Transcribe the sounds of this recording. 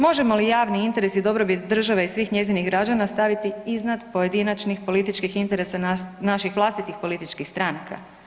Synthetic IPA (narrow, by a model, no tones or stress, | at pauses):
mo̞ʒe̞mo̞lijaːʋniint̪e̞ɾe̞sid̪o̞bɾo̞bit̪d̪r̩ʒaʋeisʋiːxɲe̞ziniɦɡɾad͡ʒanast̪aʋit̪iiznad̪po̞je̞d̪inat͡ʃnixpo̞lit̪it͡ʃkixint̪e̞ɾe̞sananaʃixʋlˠast̪it̪ixpo̞lit̪it͡ʃkixst̪ɾanakʰa̰